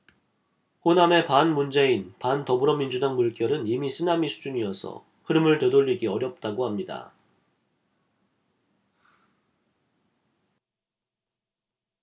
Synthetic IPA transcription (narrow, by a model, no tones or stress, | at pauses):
ɸoname̞panmund͡ʑe̞inpantʌbɯɾʌmind͡ʑudaŋmuɭk͈jʌɾɯnimisʰɯnamisʰud͡ʑuɲiʌsʰʌ̰ | ɸɯɾɯmɯɭtedoʎːiɡiʌɾjʌp̚t͈aɡohamɲida̰